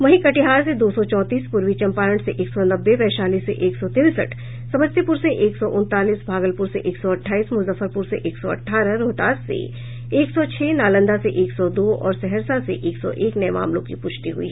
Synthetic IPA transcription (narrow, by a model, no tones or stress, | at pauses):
ʋɐɦikɐʈɪɦaːɾsed̪oːsɔt͡ʃɔːt̪iːspʊɾʋit͡ʃɐ̃mpaːɾə̃ɳʈseʔeːksɔnɐbːepɛːʃaːliːsːeʔeːksɔt̪ɪɾsə̰ʈʰ | sɐməst̪epʊɾseʔeːksɔʔʊ̃nt̪aːliːsbʱaːɡəlpʊɾseʔeːksɔɐʈʰːaːiːsmʊzəfəɾpʊɾseʔeːksɔɐ̰ʈʰːaːɾəɾoːt̪aːsḛ | eːksɔt͡ʃʰɛːnaːlə̃nd̪aseʔeːksɔd̪oːɔ̰ːɾsɛɦəɾsaseʔeːksɔ̰ʔeːknɐjma̰ːmlõkipʊt͡ʃʰt̪iɦṵʊ̰ḭɦɛ